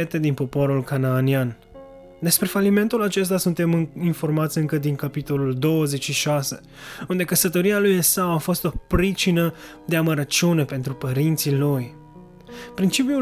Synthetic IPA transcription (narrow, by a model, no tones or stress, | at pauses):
et̪e̞d̪inpo̞po̞ɾulkanaːnian | d̪e̞spɾe̞falime̞nt̪ulat͡ʃe̞s̬t̪asunt̪e̞mɨinfo̞rmat̪sʲɨŋkəd̪iŋkapit̪o̞luld̪o̞wəze̞t͡ʃʃiʃase̞̰ | und̪e̞kəsət̪o̞ɾialujesawafo̞st̪o̞pɾit͡ʃinə | d̪e̞aməɾət͡ʃune̞pe̞nt̪ɾupəɾint̪siluj | pɾint͡ʃipiu